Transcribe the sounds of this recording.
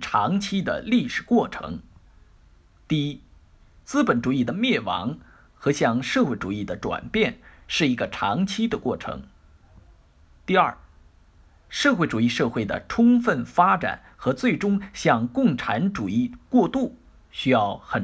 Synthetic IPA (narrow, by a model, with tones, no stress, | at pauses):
ʈ͡ʂʰɑ˧˥ŋt͡ɕʰi˥d̪ə̰˨li˥˩ʂɻ̩˨˩kwɔ˥˩ʈ͡ʂʰɤ̰˧˥ŋ | t̪i˥˩i˥ | t͡sɹ̩˥pə˧˩˥nʈ͡ʂu˨˩i˥˩d̪ə˩mjɛ˥˩wɑ̰˧˥ŋ | xɤ˧˥ɕjɑ˥˧ŋʂɤ˥˧xwe˥˩ɪʈ͡ʂṵ˨˩i˥˩d̪ə˩ʈ͡ʂwa̰˨˩npjɛ˥˩nʂɻ̩˥˩i˧˥ɡə˧ʈ͡ʂʰɑ̰˧˥ŋt͡ɕʰi˥d̪ə˨kwɔ˥˩ʈ͡ʂʰɤ̰˧˥ŋ | t̪i˥˧ɐ̰˞˥˩ | ʂɤ˥˧xwe˥˩ɪʈ͡ʂu˨˩i˥˧ʂɤ˥˧xwe˥˩ɪd̪ə̰˩ʈ͡ʂʰʊ˥ŋfə˥˩nfa˥ʈ͡ʂa̰˨˩˦n | xɤ˧˥t͡swe˥˩ɪʈ͡ʂʊ˥ŋɕjɑ˥˧ŋkʊ˥˩ŋʈ͡ʂʰa˧˥nʈ͡ʂu˨˩i˥˧kwɔ˥˧t̪u˥˩ | ɕy˥jɑ˥˩ʊxə˨˩